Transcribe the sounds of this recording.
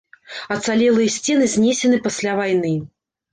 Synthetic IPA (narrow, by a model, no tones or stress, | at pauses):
ɐt̪salʲɛlˠɨjɐsʲt͡sʲɛnɨzʲnʲesʲɛnɨpasʲlʲavajnɨ